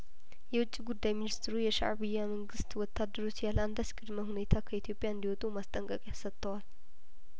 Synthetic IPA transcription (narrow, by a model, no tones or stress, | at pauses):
jɛwʊt͡ʃʼːiɡud̪ːajminist̪ʰɾujɛʃa̰ʕβijːaməŋɡɨst̪wɔt̪ʰːad̪ːəɾo̞t͡ʃːjaland̪askʼɨd̪məhune̞t̪ʰakʰəit̪ʰjo̞pʼjaɨnd̪iwɔt̪ʼumast̪ʼəŋkʼəkʼjasət̪ʰːəwal